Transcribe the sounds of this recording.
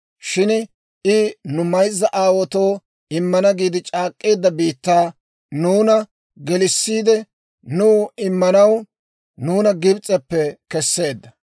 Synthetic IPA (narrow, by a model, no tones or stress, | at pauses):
ʃɪn | ɪnʊmɐjzːɐʔaːwɔt̪oː | ɪmːɐnɐɡiːd̪ɪt͡ʃʼaːkʼːeːd̪ːɐbiːt̪ːaː | nuːnɐ | ɡɛlɪsːiːd̪ɛ | nuːɪmːɐnɐw | nuːnɐɡɪbt͡sʼɛpːɛkɛsːe̞ːd̪ːɐ